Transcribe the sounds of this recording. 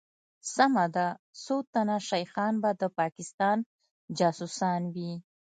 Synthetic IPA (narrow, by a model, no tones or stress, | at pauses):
samad̪asot̪anaʃajxɑnbad̪əpɑkɪst̪ɑn | d͡ʒɑsusɑnwi